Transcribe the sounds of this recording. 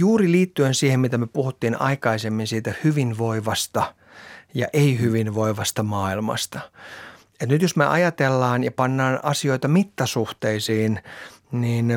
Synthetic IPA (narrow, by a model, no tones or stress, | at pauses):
juːriliːt̪ːyensiːhemmit̪æmyøpuhut̪ːiːnɑ̰ikɑisemːinsiːt̪æhyʋinʋoiʋɑst̪ɑ | jɑ̰ʔeihyʋinʋoiʋɑst̪ɑmɑːilmɑ̰st̪ɑ | et̪nyt̪josmḛʔɑjɑt̪elːɑːnjɑpɑnːɑːnʔɑsioit̪ɑmit̪ːɑsuht̪eisiːnniːn